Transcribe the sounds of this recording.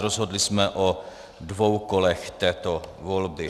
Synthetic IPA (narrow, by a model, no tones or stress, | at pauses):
ɾozɦo̞dlɪsmɛʔo | dvowkolɛxt̪ɛːt̪ovolbɪ